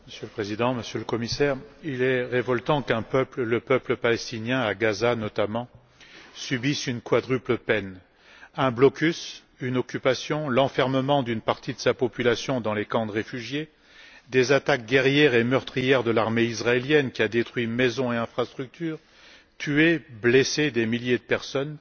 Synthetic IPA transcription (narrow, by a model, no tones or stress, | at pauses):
məsjøləpχezid̪ɑ̃məsjøləkɔmisɛʁilɛʁevɔlt̪ɑ̃kɛ̃pœplləpœpləpalɛst̪injɛ̃aɡazanɔt̪amɑ̃ | sybisynkwad̪ʁypləpɛn | ɛ̃blɔkʲys | ynɔkʲypasjɔ̃lɑ̃fɛʁməmɑ̃d̪ynpaʁt̪id̪əsapɔpylasjɔ̃d̪ɑ̃lekɑ̃d̪əʁefyʒje | d̪ezat̪ak̚ɡʲɛʁjɛʁemœʁt̪χijɛʁd̪əlaʁmeisʁaeljɛnkʲiad̪et̪χwɥimezɔ̃eɛ̃fχast̪χyk̚t̪ʰyːʁ | t̪ʰyeblesed̪emiljed̪əpɛʁsɔn